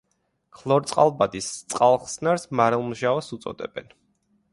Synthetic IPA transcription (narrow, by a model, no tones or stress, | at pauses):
kʰlˠɔɾt̪sʼqʼa̰lˠbad̪ist̪sʼqʼalˠχsnaɾsmaɾɛlˠmuʒaasut̪sʼɔ̰d̪ɛ̰b̥ɛn